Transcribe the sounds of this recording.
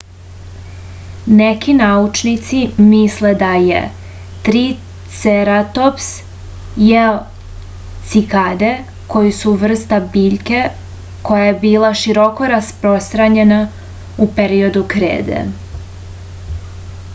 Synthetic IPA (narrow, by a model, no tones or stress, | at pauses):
nekinaut͡ʃnit̪simisled̪ajḛ | t̪ɾi | t̪seɾat̪ops | jeo | t̪sikad̪e | ko̞jisuʋr̩st̪abiːʎke̞ | ko̞jajebiːlaʃiɾoko̞ɾaspɾo̞st̪ɾaɲe̞na | upeɾio̞d̪ukɾḛːd̪ḛ